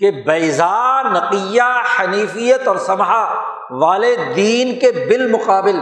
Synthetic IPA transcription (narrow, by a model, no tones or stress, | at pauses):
kebɐɪzaːnɐqijaħɐniːfijət̪ɔːɾsɐmɦa | ʋaːled̪iːnkebɪlmʊqaːbɪl